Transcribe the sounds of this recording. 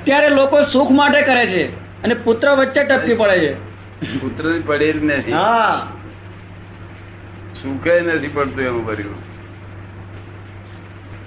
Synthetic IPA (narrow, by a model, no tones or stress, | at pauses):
ət̪jaɾelokosũkʰmaʈekəɾet͡ʃʰe | ənepʊt̪ɾəʋətːʃeʈəp̪̚ːipəɭet͡ʃʰe | put̪ɾənipəɽeɾinət̪ʰiɦa | sukʰəjnət̪ʰipəɽt̪ũembʱəɾjṵ̃